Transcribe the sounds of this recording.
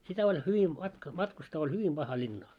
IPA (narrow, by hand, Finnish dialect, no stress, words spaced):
sitæ olʲ hyʋi mɑtk mɑtkustɑː olʲ hyʋim b̥ɑhɑ lʲinːɑː